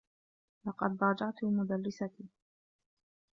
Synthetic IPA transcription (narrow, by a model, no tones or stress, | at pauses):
lɑqɑd̪ɾˤɑːd͡ʒɑʕt̪ʊmʊd̪alːɪsat̪iː